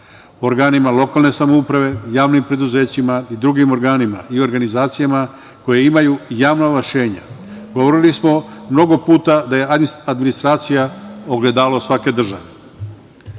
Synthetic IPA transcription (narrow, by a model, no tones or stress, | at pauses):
oɾɡaːnimalo̞kaːlˠne̞samoupɾaʋe̞jaːʋnimpɾe̞d̪uze̞ːt͡ɕimaid̪ɾuɡimo̞ɾɡaːnima̰io̞ɾɡanizaːt̪sijama | ko̞jeimajujaːʋnalaʃe̞ːɲa̰ | ɡo̞ʋo̞ɾilismo̞mno̞ɡo̞puːt̪ad̪aje̞ad̪minist̪ɾaːt̪sijaoɡle̞d̪aːlosʋake̞d̪r̩ʒaʋe